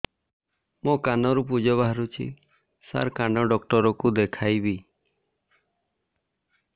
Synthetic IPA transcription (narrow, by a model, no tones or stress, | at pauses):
mokanɔɾup̬ud͡ʒɔbaɦaɾut͡ʃʰḭ | sa̰ɾkanɔɖɔkʈɔɾɔkud̪ekʰajbi